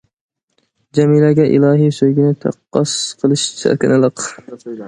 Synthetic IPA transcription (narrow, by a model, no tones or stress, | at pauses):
d͡ʒamilaɡʲɛʔḭlˠɑːɦijsøjɡʲɪnɪt̪ʰɑ̰qːɑsqʰəlˠɨʃt͡ʃʰa̰ɾkʲɪnɨlˠɨq